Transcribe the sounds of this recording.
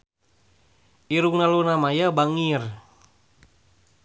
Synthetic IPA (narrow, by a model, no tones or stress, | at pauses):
ʔiɾuŋnalunamajabaŋir